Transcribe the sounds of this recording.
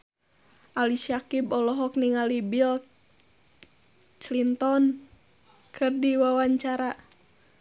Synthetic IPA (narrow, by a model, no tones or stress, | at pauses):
ʔalisakibɔlɔɦɔk̚niŋalibil | t͡ʃlint̪ɔn | kʰɨrdiwawaɲt͡ʃaɾa